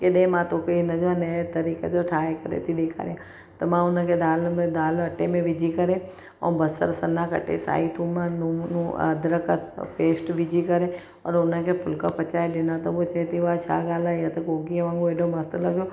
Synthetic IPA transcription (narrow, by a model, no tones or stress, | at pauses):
keɗẽmãːt̪oːkəinɐd͡ʒʋanet̪ɐɾiːkesoʈʰaːekəɾḛt̪ʰiɗeːkʰa̰ːɾejã | t̪ɐmãːʊnãked̪aːlmẽd̪aːləʈːemẽʋɪd͡ʒikəɾẽ | ɔ̰ːbəsə̰ɾsənãkə̰ʈḛsa̰ːit̪ʰuːmanunuəd̪ɾəkət̪peːsʈʋɪd͡ʒikəɾẽ | ɔ̰ːɾʊnãkepʰʊlkapət͡ʃaːedenãt̪oʋot͡ʃɐet̪ʰiʋat͡ʃʰa̰ːɡaːlajat̪ɐkoːɡiʋãːŋɡoeːɖomɐst̪lɐɡjo